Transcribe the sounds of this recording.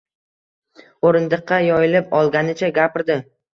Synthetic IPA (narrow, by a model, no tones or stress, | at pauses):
oɾɪnd̪ɨqʰːɑjɒjɪlɪpɒlˠɡʲanɪt͡ʃʰaɡʲapɪɾd̪ɪ